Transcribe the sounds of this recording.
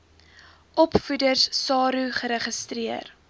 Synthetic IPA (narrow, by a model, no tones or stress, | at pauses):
ʔɔpfudərssɑːɾuχəɾəχəstriər